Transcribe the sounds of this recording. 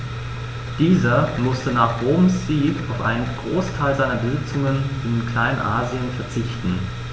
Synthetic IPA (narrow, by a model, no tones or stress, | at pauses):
d̥iːzɐmʊstənaːχʁ̥oːmsz̥iːkaʊfʔa̰ɪnənɡ̥ʁoːstʰaɪlzaɪnɐbəzɪt͡sʊŋənɪnkl̥aɪnənʔa̰ːziənfɛɐt͡sɪçtn̩